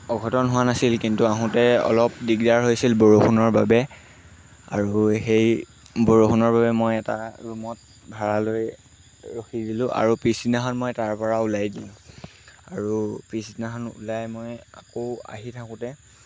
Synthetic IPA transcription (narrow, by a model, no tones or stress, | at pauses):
ɔɡʱɔtɔnɦʊwanasilkintuaɦʊ̃tɛɔ̰lɔp̚diɡdaɹɦojsilboɹoxʰunɔɹba̰bɛ | a̰ɹuhej | boɹoxʰunɔɹbabɛmojɛta̰ɹumɔt̚ | bʱaɹaloj | ɹoxidilʊ̃ʔa̰ɹupisinaɦɔnmɔjtaɹpɔɹaulajdilʊ̃ | aɹupɹisinaɦɔnṵlajmoja̰koʊa̰ɦitʰakʊ̃tɛ